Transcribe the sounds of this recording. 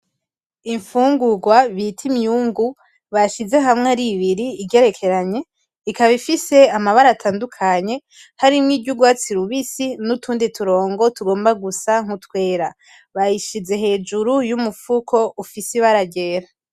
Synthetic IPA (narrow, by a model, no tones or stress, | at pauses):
iɱfuːŋɡuɡwaβitʰimjuŋɡu | βaʃize̞ɦamŋeɾiβiɾiːɟe̞ɾe̞kʰe̞ɾaɲe̞ | ikaβifise̞amaβaɾatʰaːndukʰaɲe̞ | haɾimŋiːɟuɡwaːt͡siɾuβisinutʰuːnditʰuɾo̞ːŋɡo̞tuɡo̞ːmbaɡusaŋ̥hutwe̞ːɾa | βajiʃize̞ɦe̞ːd͡ʒuɾujumufukʰo̞ufisiβaɾaɟe̞ːɾa